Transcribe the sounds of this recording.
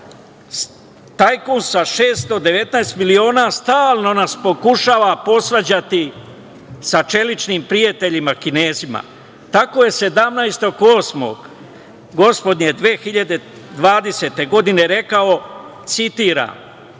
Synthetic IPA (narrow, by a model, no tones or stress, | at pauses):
t̪ajkonsaʃe̞ːst̪o̞d̪e̞ʋe̞t̪naest̪milio̞ːnast̪aːlˠno̞naspo̞kuʃaːʋapo̞sɾad͡ʑat̪i | sat͡ʃe̞lit͡ʃniːmpɾijat̪e̞ʎimakine̞ːzima̰ | t̪ako̞je̞se̞d̪amnajst̪o̞koːsmo̞̰ɡ | ɡo̞spo̞d̪nje̞d̪ʋeːxiʎad̪e̞ | d̪ʋaːd̪e̞set̪e̞ɡo̞d̪ine̞ɾe̞kao̞t̪sit̪iːɾa̰ːm